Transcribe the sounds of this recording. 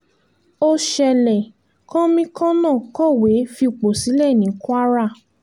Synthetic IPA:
o˧ʃɛ˧lɛ˨ | kã˦mĩ˧kɔ̃˦nãː˦˨kɔ˦˨we˨˦fi˧˨k͡po˨si˨˦lɛ˦˨nĩ˨˦ku˦a˦ɾa˦˨

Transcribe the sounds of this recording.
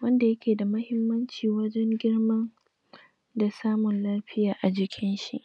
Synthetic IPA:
wɐ˦nda˨jɐ˦kʲʰeː˨da˨mɐ˦hɪ˦mːɐ˦nt͡ʃiː˨wɐ˦d͡ʒɛ˦ŋɡʲɪ˦rmɐ˦n | da˨saː˦mʊ˨nlaː˦ɸɪ˦jaː˨ʔa˨d͡ʒɪ˨kʲʰɪ˦nʃḭ˦ʔ

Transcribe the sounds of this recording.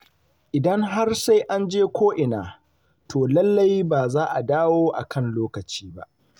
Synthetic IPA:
ʔɪ˨dɐ˦ŋɦa˦rsa˦jʔa˦nd͡ʒeː˦kʷoː˦ʔɪ˨naː˨ | tʰoː˨lɐ˦lːa˦jbaː˨zaː˦ʔa˨daː˦woː˦ʔa̰˨kʰɐ˦˨nloː˦kɐ˨t͡ʃiː˦ba̰˦ʔ

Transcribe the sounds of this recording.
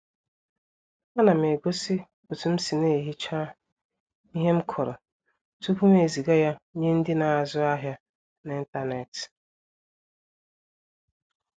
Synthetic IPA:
a˦na˨me˨ɡʷo˦si˦ | o˨tu˨m̩˦si˨ne˦˨ɦi˦t͡ʃaː˦ | i˦ɦe˦m̩˦kʰɔ˨ɾɔ˨ | tu˦ku˦m˦e˨zi˨ɡa˦ja˦ɲe˦n̩˦dɪ˦na˨a˨zʊ˦a˦ɦja˦ | n˨i˦n̩˦ta˦ne˨t

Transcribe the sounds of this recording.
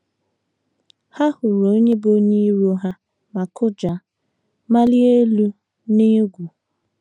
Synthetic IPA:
ha˦hʊ˨ɾo˨˦ɲe˦bo˦ɲi˦i˦ɾu˦ɦa˦ | ma˨kʊ˦d͡ʒa˨ | ma˦li˦e˦lu˦ | ne˦ɡʷu˨

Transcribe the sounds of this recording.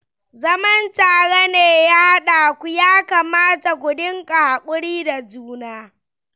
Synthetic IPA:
zɐ˦mɐ˦ntaː˨ɽa˦neː˨jaː˦ha˦ɗa˨kʷu˦jaː˦ka˨maː˦ta˨kʷʊ˨dɪ˦ŋkʼa˨ha˨kʷʼʊ˦ɽiː˦da˨d͡ʒuː˦naː˦

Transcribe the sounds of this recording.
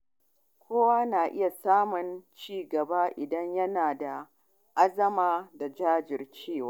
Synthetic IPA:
kʷʰoː˦waː˦naː˨ʔɪ˦ja˨saː˦mʊ˨nt͡ʃiː˦ɡɐ˨ba˦ʔɪ˨dɐ˦ɲjɐ˦naː˨da˨ | ʔa˦zɐ˦maː˦da˨d͡ʒaː˦d͡ʒɪ˨rt͡ʃeː˦˨waː˦

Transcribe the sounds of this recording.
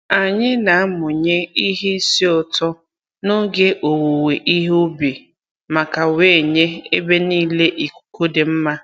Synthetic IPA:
a˨ɲɪ˦na˨a˦mʊ˨ɲe˦i˦ɦe˦i˦si˦ɔ˨tɔ˦ | no˦ɡe˦ʔo˨wo˨we˨ʔi˦ɦʊ˦bi˨ | ma˨ka˨we˨˦˨ɲe˦e˦be˦niː˦le˦ʔi˨ku̥˨ko˦de˨m̩˦ma˦

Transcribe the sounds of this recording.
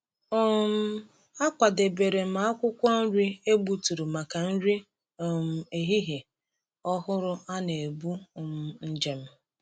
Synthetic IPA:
o˦m̩˦ | a˦kʷa˨de˨be˨ɾe˨m̩˨a˨˦a˦kʷʊ˦kʷɔ˦n̩˦ɾi˦e˦bu˨tu˨ɾu˨ma˨ka˨n̩˦ɾi˦ | o˨m̩˨e˨ɦi˦ɦe˨ | ɔ˦ɦʊ˦ɾʊ˦a˦ne˨bu˦˨m̩˨n̩˦d͡ʒe˦m̩˦

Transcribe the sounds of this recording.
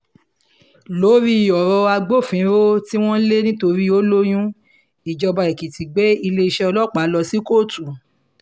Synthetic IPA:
lo˨˦ɾi˦i˨jɔ˨ɾɔ˧a˧ɡ͡bo˦˨fĩ˨˦ɾo˦ti˦w̃ɔ̃˦le˦nĩ˦to˧ɾi˦o˦lo˦j̃ũ˦ | i˨d͡ʒɔ˧ba˧ɛ˨ki˨ti˨ɡ͡bɛ˨˦i˧le˦i˧ʃɛ˦ɔ˧lɔ˦˨k͡pa˨˦lɔ˧si˦ko˦˨tu˨

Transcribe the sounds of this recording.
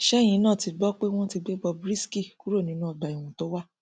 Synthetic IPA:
ʃɛ˦˨j̃ĩ˧˦nãː˦˨ti˨˧ɡ͡bɔ˦k͡pe˦w̃ɔ̃˦ti˧ɡ͡be˦ɡ͡bɔ˧bɾi˦ski˦˨ku˦ɾo˦˨nĩ˨˦nũ˦ɔ˨ɡ͡ba˨i˨w̃ũ˨to˨˦wa˦

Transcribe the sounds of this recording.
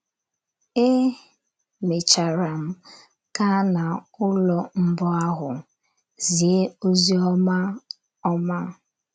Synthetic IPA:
e˦ | me˨t͡ʃa˨ɾa˨m̩˦ | ka˦na˨ʊ˦lɔ˨m̩˦bɔ˦a˦ɦʊ˨ | zi˨e˦o˦zi˦ɔ˦ma˦ | ɔ˦ma˦

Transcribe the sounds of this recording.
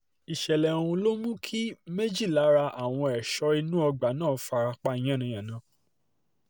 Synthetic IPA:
i˨ʃɛ˨lɛ˨ũ˧lo˦mũ˦kʰi˦me˦d͡ʒi˦˨la˨˦ɾa˧ʔa˨w̃ɔ̃˧ɛ˨ʃɔ˧i˧nũ˦ɔ˧ɡ͡ba˨˦nãː˦˨˦fa˧ɾa˧k͡pa˦˧i˨j̃ã˦˨nĩ˧j̃ã˨nã˨˦

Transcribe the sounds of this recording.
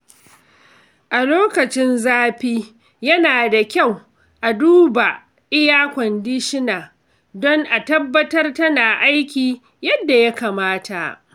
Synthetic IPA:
ʔa˨loː˦kɐ˨t͡ʃɪ˦nzaː˦ɸiː˦ | jɐ˦naː˨da˨kʲa˦˨w | ʔa˨duː˦ba˨ | ʔɪ˦jaː˦kʷɔ˨ndɪ˦ʃɪ˦naː˨ | dɔ˦ŋʔa˨tɐ˦bːɐ˦tɐ˦rtɐ˦naː˨ʔa˦jkʲiː˨ | jɐ˦dːa˨ja˦kaː˨maː˦tʰa˨ʔ

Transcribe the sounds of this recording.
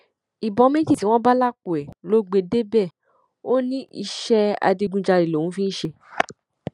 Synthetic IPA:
i˨bɔ̃˨˧˦mẽ˦d͡ʒi˦˨ti˨˦w̃ɔ̃˦ba˦la˦k͡pu˨ɛ˨lo˨˦ɡ͡be˧de˦bɛ˦˨ | o˦nĩ˦i˧ʃɛ˦a̰˧di˧ɡũ˧d͡ʒa˧ɾi˨lõ˨ũ˨˦fĩ˦n̩˦ʃe˧

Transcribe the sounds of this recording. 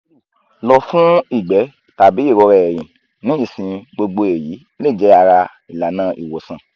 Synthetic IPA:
lɔ˨fũ˦i˦˨ɡ͡bɛ˨˦ | ta˨bi˨˦i˦˨ɾɔ˧ɾɛ˨ɛ˨jĩ˨ | nĩ˨˦i˦˨sĩ˧ɡ͡bo˧ɡ͡bo˧e˨ji˨˦ | le˦˨d͡ʒɛ˨˦a˧ɾa˧ | i˨la˨˦nã˦ʔḭ˨wo˨sã˨

